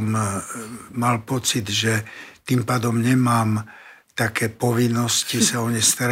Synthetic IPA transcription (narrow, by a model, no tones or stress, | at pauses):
m | malpɔt͡sid̪ʒɛt̪impaːd̪ɔmɲɛmaːm | t̪akɛːpɔʋinːɔscisaɔɲɛst̪aɾ